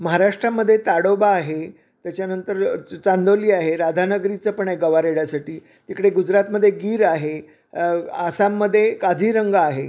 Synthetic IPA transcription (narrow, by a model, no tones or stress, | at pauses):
məɦaɾaʂʈɾaməd̪ʱːjet̪aɽobaːɦe | t̪jat͡ɕjanənt̪əɾt͡sand̪oliːaɦeɾad̪ʱanəɡɾit͡səpəɳajɡəʋaɾeɽjasaʈiː | t̪ikɽeɡud͡ʑɾat̪məd̪ʱːjeɡiːɾaɦe | asamːəd̪ʱːjekad͡zʱiːɾəŋɡaːɦe